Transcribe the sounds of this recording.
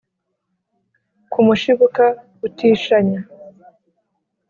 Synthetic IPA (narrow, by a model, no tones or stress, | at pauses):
kumuʃiβoka | utiːʃaɲa